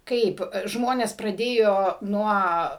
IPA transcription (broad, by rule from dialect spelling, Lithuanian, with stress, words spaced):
ˈkɐɪp ˈʒmoːnʲɛs prɐˈdʲeːjoː ˈnuɔ